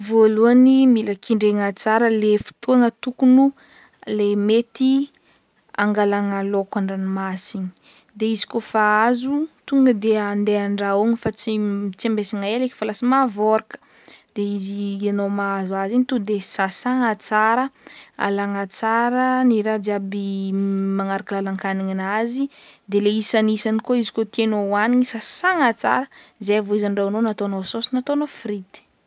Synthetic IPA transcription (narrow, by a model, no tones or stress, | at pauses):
voluanimiləkiɳɖ͡ʐeŋat͡saɾəlefi̥t̪uaŋət̪ukunu | lemet̪i | a̰ŋɡalaŋalokʷaɳɖ͡ʐanimasini̥ | d̪eizi̥kofaazut̪uŋɡəd̪eand̪eaɳɖ͡ʐaoŋifat͡simt͡sembesiŋaeleki̥falasimavoɾakə̥ | d̪̥eizianomazazinit̪ud̪esasaŋat͡saɾəa̰laŋat͡saɾəniɾad͡zabimaŋaɾaklalaŋkaniŋinazid̪eleisanisanikoizi̥kot̪enowaniɲisasaŋat͡sa̰ɾəzejavoizaɳɖ͡ʐanonat̪onososinat̪onofɾit̪i̥